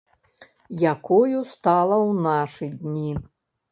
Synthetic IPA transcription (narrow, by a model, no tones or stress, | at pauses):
jakɔjust̪alˠɐwnaʂɨd̪ʲnʲi